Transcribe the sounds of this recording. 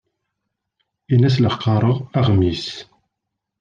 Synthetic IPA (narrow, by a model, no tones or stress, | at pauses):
ilæs̬ləqːɑɾˤəʁæʁmis